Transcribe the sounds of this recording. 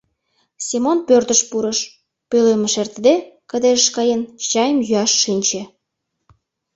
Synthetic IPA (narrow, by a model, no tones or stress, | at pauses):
simonpørt̪əʃpuɾəʃ | pølemeʃert̪d̪ekə̆d̪eʒəʃkɑjent͡ɕɑjəmjyɑʃːinʲt͡ɕe